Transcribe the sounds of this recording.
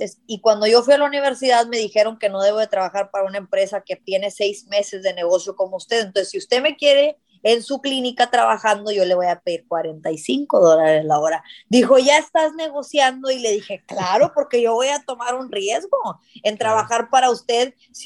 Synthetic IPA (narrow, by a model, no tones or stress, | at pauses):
esikwand̪o̞ʝo̞fwialauniβe̞ɾsiðaðme̞ðixe̞ɾo̞ŋke̞no̞ð̞e̞βo̞ð̞e̞t̪ɾaβaxaɾpaɾaunaempɾe̞sake̞t̪je̞ne̞se̞jzme̞se̞zðe̞ne̞ɣo̞sjo̞ko̞moust̪eðent̪onssiust̪e̞me̞kje̞ɾe̞ː | nsuklinikat̪ɾaβaxand̪o̞ʝo̞le̞βo̞jape̞ðiɾkwaɾe̞nt̪ajsiŋko̞ðo̞laɾe̞zlaoɾad̪ixo̞ʝae̞st̪azne̞ɣo̞sjand̪o̞ile̞ðixe̞klaɾo̞po̞ɾke̞ʝo̞βo̞jat̪o̞maɾunrje̞zɣo̞ | e̞nt̪ɾaβaxaɾpaɾaust̪e̞ð | s